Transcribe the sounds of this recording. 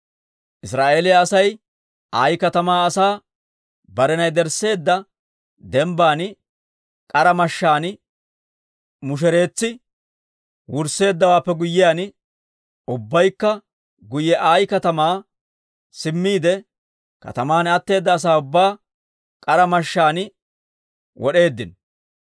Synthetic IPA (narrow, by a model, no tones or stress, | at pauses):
ʔɪsɾaːʔeːlɪjaːsɐj | ʔaːjkɐt̪ɐmaːsaː | bɐɾɛnɐjd̪ɛɾse̞ːd̪ːɐ | d̪ɛmbaːn | kʼɐɾɐmɐʃːaːn | mʊʃ̬ɛɾe̞ːt͡sːɪ | wʊɾse̞ːd̪ːɐwaːpːɛɡʊjːɪjaːn | ʊbːɐjkːɐ | ɡʊjɛʔaːjkɐt̪ɐmaː | sɪmːiːd̪ɛ | kɐ̰t̪ɐmaːnɐt̪ːe̞ːd̪ːɐːs̬aːʊbːaː | kʼɐɾɐmɐʃːaːn | wʔɔɗe̞ːd̪ːɪn